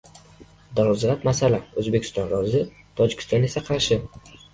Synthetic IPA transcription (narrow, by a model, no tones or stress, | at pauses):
d̪ɒzʁat̪masalaɵzbe̞kʲʰɪ̥st̪ɒnɾɒzɪ | t̪ʰɒd͡ʒɪkʰʲɪ̥st̪ɒne̞saqʰɑʃɪ